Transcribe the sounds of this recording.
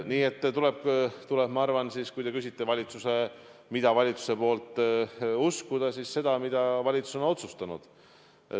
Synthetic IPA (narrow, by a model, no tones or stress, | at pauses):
niːe̞t̪ːt̪ule̞b̥t̪uleb̥mɑɑrvɑnsiːskujd̪e̞kysit̪ːevɑlʲit̪suse̞ | mid̪̥ɑvɑlʲit̪su̥se̞po̞ːlt̪ˑuskud̪̥ɑsiːsse̞d̪̥ɑmid̪̥ɑvɑlʲit̪su̥so̞no̞t̪sust̪ɑnṵd̪̥